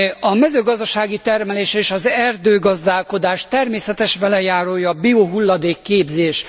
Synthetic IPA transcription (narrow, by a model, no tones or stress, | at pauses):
ɒmɛzøːɡɒzd̪ɒʃaːɡit̪ɛrmɛleːʃeːʃɒzɛrd̪øːɡɒzd̪aːlko̞d̪aːʃt̪ɛrmeːsɛt̪ɛʃbɛlɛjaːɾoːjɒːbioɦulːɒd̪eːkːeːbzeːʃ